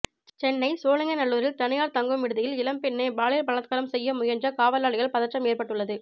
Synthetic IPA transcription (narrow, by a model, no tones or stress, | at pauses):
t͡ʃɛnːɐɪsoːlɐŋɡɐnɐɭːuːɾɪlt̪ɐɳɪjaːɾt̪ɐŋɡɯmɪɽɯðɪjɪlɪlɐmpɪnːebaːɭiːɾpɐɭɐt̪̚kaːɾɐmsɛjːɐmʊjɐnɲd͡ʒɐkaːʋɐlaːɭɪɣɐɭpɐðɐʈrɐmeːrpɐʈːɯɭːɐðɯ